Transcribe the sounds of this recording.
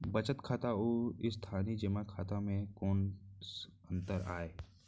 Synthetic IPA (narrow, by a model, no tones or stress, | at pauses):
bət͡ʃət̪kʰaːt̪aoːɪst̪ʰaːnid͡ʒɪmakʰaːt̪amẽkɔːnsə̃nt̪əɾaːeː